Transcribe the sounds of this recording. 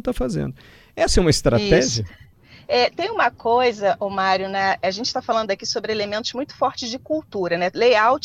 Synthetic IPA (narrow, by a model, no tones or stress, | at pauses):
t̪afazḛ̃nd̪ʊ | ɛsɐɛũmɐist̪ɾatiɛʒiɐ | ɛt̪ẽj̃ũmɐkojzɐʔomaɾjʊnɐaʒẽnt͡ʃɪ̥t̪afalɐ̃nd̪ʊakisobɾɪelemẽnt̪ʊzmũj̃t̪ʊ̥fɔɾt͡ʃɪzd͡ʒɪkuwt̪uɾɐnɛlejawt͡ʃ